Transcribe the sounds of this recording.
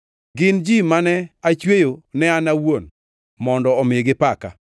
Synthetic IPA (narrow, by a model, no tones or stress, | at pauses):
ɡɪnd͡ʒimanɛat͡ʃwejonɛanawon | mɔndɔɔmɪeɡɪpaka̰